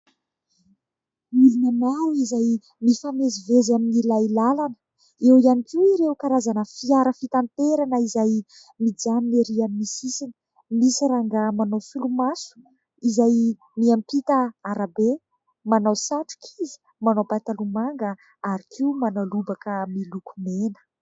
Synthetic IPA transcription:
mulinanawizaj | mifamezivezaminilajlalanə̥ | ewianikiiɾewkaɾazanəfiaɾəfit̪ant̪eɾanəizaj | mid͡zanineɾiamimisisinə̥ | misiɾaŋɡəmanowfulumasu̥ | izaj | miampit̪əaɾabe | manawsaʈ͡ʂu̥kʰizi̥ | manawpat̪alumaŋɡə | aɾikʰiumanalubakəmilukumenə̥

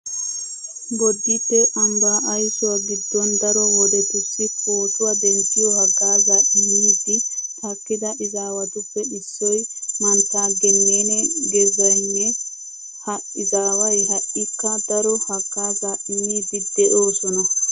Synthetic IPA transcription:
bɔd̪ːitːɛʔɐmbaːʔːjsɔwaɡid̪ːɔnd̪ɐɾɔwɔd̪ɔt̪ʊsːifoːsʊwɐd̪ɛnsɪjɔhɐɡːaːzaːʔɪnːiːd̪ihɐkːɪd̪ɐʔɪzaːwɐt̪ʊfːɛɪsːɔjmɐnt̪aɡɛnːenɛɡɛzɐnːɛ | hɐʔɪzaːwɐjhɐʔɪkːɐd̪ɐɾɔhɐɡ̥ːaːzaːʔɪnːiːd̪id̪ɛʔoːsɔnɐ

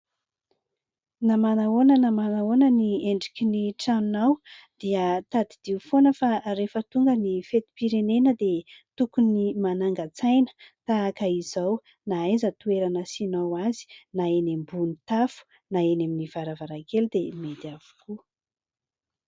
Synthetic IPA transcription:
namanaonənamanaonənieɳɖ͡ʐikʲiniʈ͡ʂanunawd̪̥iət̪ad̪id̪̥iufonəfaɾefət̪uŋɡənifet̪i̥piɾenenəd̪et̪ukunimanaŋɡat͡sajnə̥t̪aːkəizaw | naajzət̪ueɾanəsinawazi̥naenembunit̪afu̥ | naeneminiv̥aɾavaɾakeld̪emed̪iavu̥ku

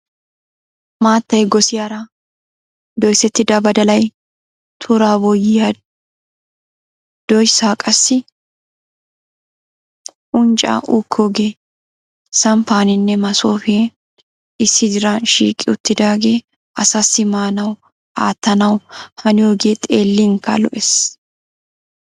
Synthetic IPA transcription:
maːt̪ːɐjɡɔsɪjaɾɐ | d̪ɔjsɛt̪ːɪd̪ɐbɐd̪ɐlɐj | t̪ʰʊɾaːbɔjːɪja | d̪̥ɔjsaːkʼɐsːɪ | ʔʊnt͡ʃʼa̰ːʔuːkʰːoːɡe̞ː | sɐmpaːnɪnːɛmɐso̞ːfeː | ɪsːɪd̪ɪɾanʃḭːkʼːɪʊt̪ːɪd̪aːɡe̞ː | ʔɐsɐsːɪmaːnɐw | ʔaːt̪ːɐnɐwhɐnɪjoːɡeːt̪ʼeːlːɪŋkːɐ̰lɔ̰ʔɛs

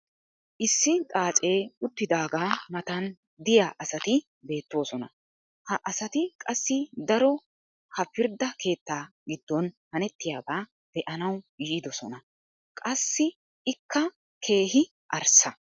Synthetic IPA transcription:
ʔɪsːɪt̪ʼaːt͡sʼe̞ːʊt̪ːɪd̪aːɡaːmɐt̪ɐn | d̪ɪjaːʔɐsɐt̪ɪ | be̞ːt̪ːwo̞ːsɔnɐ | hɐʔɐsɐt̪ɪkʼɐsːɪd̪ɐɾɔ | hɐpɪɾd̪ɐke̞ːt̪ːaː | ɡɪd̪̥ːɔnhɐnɛt̪ːɪjaːbaː | d̪̥ɛʔɐnɐwjiːd̪ɔsɔ̰nɐ | kʼɐsːɪ | ɪkʰːɐ | kʰe̞ːɦɪ | ʔɐɾsɐ

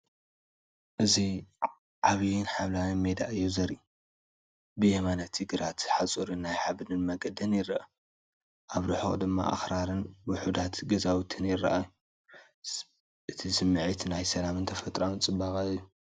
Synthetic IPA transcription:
ʔɨzi | ʕaβijɪnħaβlawinmed̪a̰ʔɨjːuzɐɾi | bɨjɛmanat̪ʰːɨɡɨɾat̪ħat͡sʼuɾɨnːajħaβɨnɨnmɐɡɐd̪ɐnjɪrɐʔa | ʔaβɾɨħo̰χʼd̪ɨmːa̰ʔa̰xɾaɾɨnwʊħud̪at̪ɡɐzawt̪ʰɨnjɪrːɐ̰ʔaju | ʔɨt̪ʰisɨmːɨʕit̪najsɐlamɨnt̪ʰɐfɐt̪ʼɾawnt͡sʼɨbakʼaɨjːu

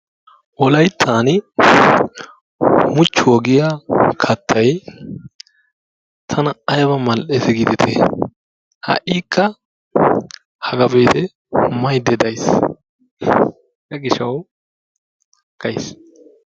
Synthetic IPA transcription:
ʔɔlɐjt̪ʰːaːn | mʊt͡ʃːʊwɔɡɪjakʰɐt̪ʰːɐj | t̪ʰɐnɐɐjɐbɐmɐlʔet̪ɛɡid̪ɪt̪ʰḛ | hɐ̰ʔiːkʰːɐ | hɐɡɐbeːt̪ɛ | mɐjd̪ɛd̪ɐjs | jɐɡɪʃɐw | hɐkːɐjs

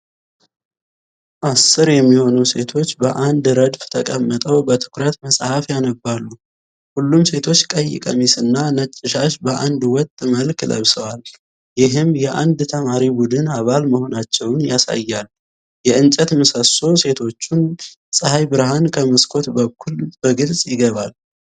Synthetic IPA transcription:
ʔasːɨɾjɛmːiho̞nuse̞t̪ʰo̞t͡ʃːbəʔand̪ɾəd̪ft̪ʰəkʼəmːət̪ʼəwbət̪ʰɨ̥kɾət̪məsʼhafjanəbːalːu | hulːumse̞t̪ʰo̞t͡ʃːkʼəjːɪ̰kʼə̰misɨnːanət͡ʃʼːɪʃaʃbəʔand̪wɔt̪ʼːməlkʰlə̰βsəwal | jɪɦɨmjɛʔa̰nd̪t̪ʰəmaɾibud̪ɨnaβalməho̞nat͡ʃːɛwnjasa̰jːal | jɛɨnt͡ʃʼət̪mɨsəso̞se̞t̪ʰo̞t͡ʃːun | sʼɨhajbɨɾɦankʰəməskʰo̞t̪bəkʰːulbəɡɨlsʼjɪɡəβal

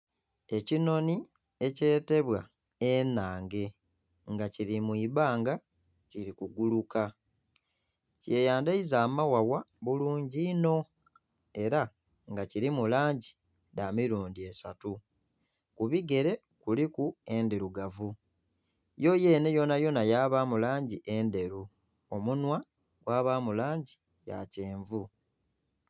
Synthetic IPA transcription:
e̞cino̞ni | e̞ce̞ːte̞βwa̰ | enaːŋɡe̞ | ŋɡaciɾimuiβaːŋɡa | ciɾikuɡuluka | ce̞ːjaːndaizaːmawawaβuluːɲɟino̞ | e̞ɾa | ŋɡaciɾimulaːɲɟi | damiɾuːndiesatu | kuβiɡe̞ɾe̞ | kulikue̞ndeɾuɡavu | jo̞je̞ːne̞jo̞najo̞najaːβamulaːɲɟiʔe̞nde̞ɾu | omunwa | ɡ̥waːβamulaːɲɟi | ja̰ce̞ːɱvu

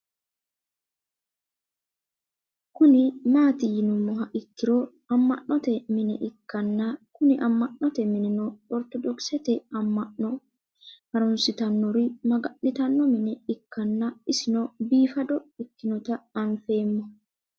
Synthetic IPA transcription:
kʊnɪmaːt̪ɪjɪnʊmːɔɦɐʔɪkːɪɾo | ɐmːɐ̰ʔːɔt̪ɛmɪnɛʔɪkːɐnːakʊnɪʔɐmːɐʔːɔt̪ɛmɪnɪnɔɔɾt̪ɔd̪ɔksɛt̪ɛɐmːɐʔɔ | hɐɾʊnsɪt̪ɐnːɔɾɪmɐɡɐʔnɪt̪ɐnːɔmɪnɛɪkːɐnːɐɪsɪnɔbiːfɐd̪ɔɪkːɪnɔt̪ɐːnfe̞ːmːɔ

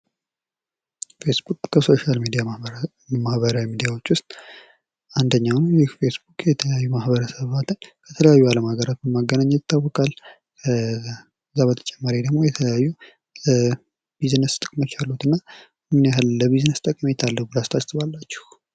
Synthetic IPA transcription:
fe̞sbukʼːʰəso̞ʃalmid̪ija | mahβəɾawimid̪ijawo̞t͡ʃːwʊst̪ʼ | and̪əɲːawnujɪhfe̞sbukʼjɛt̪ʰələjajːumahbəɾəsəβat̪ɨnkʰət̪ʰələjajːualəmaɡəɾat̪bəmːaɡːənaɲːɛt̪ʰːawːɔkʼal | kʰə | zːaβət̪ʰə̥t͡ʃʼɛmːaɾid̪əɡmojɛt̪ʰələjajːu | biznəst̪ʼɨkʼmot͡ʃːalːut̪ɨnːa | mɨnjaɦɨlləβiznəst̪ʼəkʼme̞t̪ʰalːəhubɨlast̪ʰast̪ɨβalːat͡ʃːɛ̥h

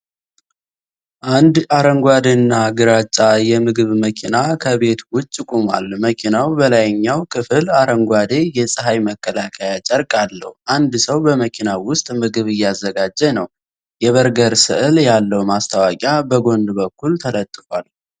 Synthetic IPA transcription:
ʔand̪aɾəŋɡʷad̪enːaɡɨɾat͡ʃʼːajɛmɨɡɨβməkʰinakʰəβe̞t̪wʊt͡ʃʼːɪkʼuma̰lməkʰinawbəlajɨɲːawkʰɨfɨlaɾəŋɡʷad̪e̞jɛsʼɨɦajməkʰːəlakʰajat͡ʃʼəɾkʼalːə̰hʔand̪səwbəməkʰinawʊst̪ʼmɨɡɨβɨjːazːəɡad͡ʒːɛnəw | jɛβəɾɡəɾsɨʔljalːəwmast̪ʰawakʼjabəɡo̞nd̪bəkːult̪ʰələt̪ʼːɨfwal

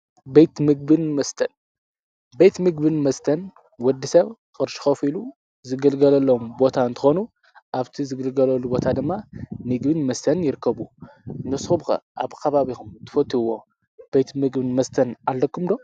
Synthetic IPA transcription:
bejt̪mɨɡ̚bɨnmɐst̪ʰɐn | be̞jt̪mɨɡbɨnmɐst̪ʰɐn | wɔd̪ɨsɐβkʼɨɾʃi̥xɐfilu | zɨɡɨlɡɐlɐlːombo̞t̪ʰaɨnt̪ʰɨ̥xo̞nu | ʔaβt̪ʰizɨɡɨlɡɐlɐlːubo̞t̪ʰad̪ɨmːamɨɡbɨnmɐst̪ʰɐnjɪɾɨkʰːɐβu | ɨnːɐsxubxɐ̰ʔa̰βkʰɐβaβixumt̪ʰɨ̥fɐt̪ʰːuwːo̞ | b̥ejt̪mɨɡbɨnmɐst̪ʰɐnalːɐkːumd̪o̞

